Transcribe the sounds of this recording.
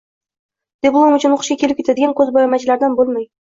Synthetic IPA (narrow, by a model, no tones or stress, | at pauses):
d̪̥ʲeblˠomɵt͡ɕɪnoqə̥̆ʃqɑkʲʰelɪp̚kʲet̪ad̪eɡʲænkʲɵzbɑjɑmæt͡ʃɪlæɾd̪ænbolˠmæj